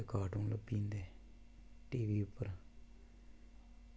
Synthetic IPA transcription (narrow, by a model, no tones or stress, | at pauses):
ekaːʈũːləbĩːnd̪eː | ʈiːʋiːʊpːəɾ